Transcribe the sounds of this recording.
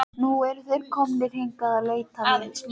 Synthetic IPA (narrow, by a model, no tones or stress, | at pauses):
nuɛɾθejɾkʰɔmnɪr̥iŋkaðaleːɥt̪anɪ